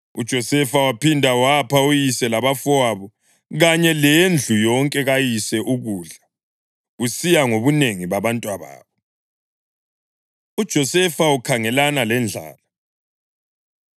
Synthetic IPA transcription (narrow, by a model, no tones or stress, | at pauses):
ṵd̥ʒ̥ʱɔsɛfawapindʱawapaujisɛlaβafɔwaβɔ | ɣaɲɛlend͡ɮʱujɔŋkʼɛɣajisɛʔuɣuːɮa | ɣusijaŋoβuneŋiβaβantʼwaβa̰ːβɔ | ud̥ʒ̥ʱɔsɛfaukʰaŋɛlanalɛnd͡ɮʱa̰ːla